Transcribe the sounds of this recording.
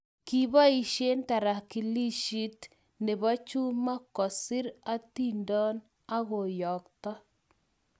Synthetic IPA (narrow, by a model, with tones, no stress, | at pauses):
ki˨βa˦i˨ʃe˦nta˨ɾa˨ki˨li˦ʃi˦t | ne˨βa˦t͡ʃu˦ma˦kɔ˨sɪ˦ɾa˦ti˦ndɔ˦n | a˦ɣo˨jɔ˨k̚t̪ɔ˦